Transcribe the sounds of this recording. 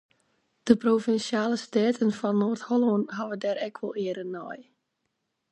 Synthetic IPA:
d̥əprovɪnsjaːləstɛːtʰənfɔnːoːrtholˠonɦaʋədɛɾɛkʰʋɔlˠɪəɾənːɔj

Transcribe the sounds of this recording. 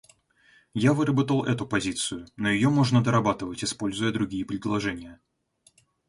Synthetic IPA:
javɨɾəbət̪əlˠɛt̪ʊpɐzʲit̪sɨjʊnojɪjo̞mo̞ʐnəd̪əɾɐbat̪ɨvətʲɪspo̞lʲzʊjəd̪ɾʊɡʲijəpɾʲɪd̪lˠɐʐɛnʲɪjə

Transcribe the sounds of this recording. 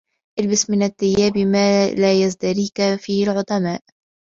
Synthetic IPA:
ʔɪlbasmɪnat̪ːɪjːaːbmaːlaːjazd̪aɾiːkafiːhɪlʕʊt̪ˤɑmaːʔ

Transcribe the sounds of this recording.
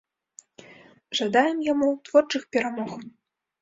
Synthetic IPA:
ʐad̪ajɛmjamuwt̪vɔrt͡ʂɨxpʲɛɾamɔx

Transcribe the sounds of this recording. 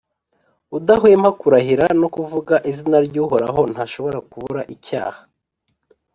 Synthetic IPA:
udaɦwemhakuɾaɦiɾanokuvuɡaʔizinaɾɟuːɦoɾa̰ɦo̞n̥haʃo̞βo̞ɾakuβuɾaʔica̰ːhḁ

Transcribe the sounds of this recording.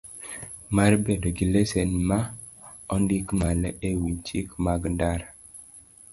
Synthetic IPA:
maɾbedoɡilesɛnma | ɔndikmalewiɲt͡ʃikmaɡndaɾa

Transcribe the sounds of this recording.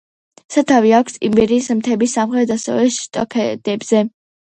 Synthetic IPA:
sat̪ʰaviakʷʰsḭmbɛɾiːsmt̪ʰɛbisːamχɾɛd̪asɛvɛʃt̪ʼɔkʰɛd̪̥ɛbz̥ɛ

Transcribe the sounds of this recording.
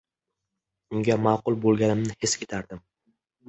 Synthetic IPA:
ʊŋɡʲamaːqʊlˠbolˠɡʲanɪmnɪhe̞skʲet̪ʰaɾd̪ɪm

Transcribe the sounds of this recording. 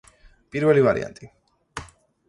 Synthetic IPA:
pʼiɾvɛlivaɾḭʔa̰nt̪ʼi

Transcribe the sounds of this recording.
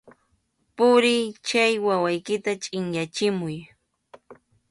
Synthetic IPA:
pʊɾɪjt͡ʃajwawajkɪt̪at͡ʃʼɪŋjat͡ʃɪmʊj

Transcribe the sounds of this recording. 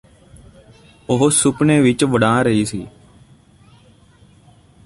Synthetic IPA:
ʊɦosʊpneːʋɪt͡ʃʋəɽãːɾəɦiːsḭː

